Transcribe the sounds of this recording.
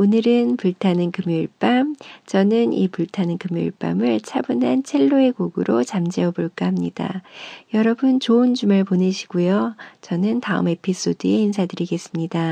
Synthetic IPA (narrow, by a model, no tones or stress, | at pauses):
onɯɾɯnpuɭtʰanɯnkɯmjuɭp͈amt͡ɕʌnɯnipuɭtʰanɯnkɯmjṵɭp͈a̰mɯɭt͡ɕʰabunɦant͡ɕʰe̞ɭːoe̞ɡoɡɯɾot͡ɕamd͡ʑeʌboɭk͈aɦamɲida̰jʌɾʌbɯnt͡ɕoɯnd͡ʑumɯɭponɯɕʰi̥ɡujot͡ɕʌnɯntaɯ̰me̞pʰis͈odɯe̞insʰadɯɾiɡe̞s͈ɯmɲida